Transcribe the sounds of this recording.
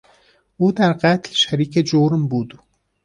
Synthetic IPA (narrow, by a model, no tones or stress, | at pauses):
uːd̪æɾqat̪lʃæɾiːkʲed͡ʒoɾmbud̪